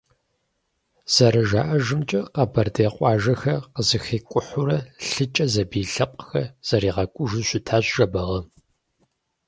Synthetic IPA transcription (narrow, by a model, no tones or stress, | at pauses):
z̥ɐɾɐʒaːʔɐʒɨmt͡ʃʼɐqɐbɐrdeːqʷʼɑːʒɐxɐqəzɨxiːkʷʼʊħʊɾɐɬɨt͡ʃʼɐzɐbiːɬɐqʷʼxɐz̥ɐɾiːʁɐkʷʼʊʒɨɕʷɪtʰaːɕʒɐbɐʁɐ